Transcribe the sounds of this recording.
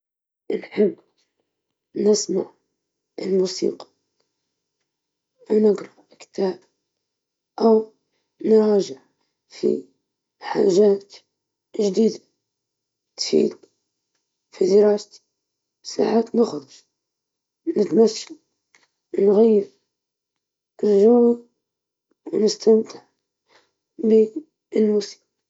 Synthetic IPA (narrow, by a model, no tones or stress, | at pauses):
ʔəlħab | nəsmaʕ | əlmusḭqɑ̥ | nəɡɾˤɑ | kt̪æb | ʔəw | nɾˤɑʒəʕ | fḭ | ħa̰ʒæt̪ | ʒd̪id̪a | t̪fḭːd̪ | fid̪əɾɑst̪ | sa̰ʕat̪nəxɾʊʒ | nət̪masːa | nɣajːəɾ | əɾʒawa | wnəst̪amt̪əʕ | bi | lmusi̥q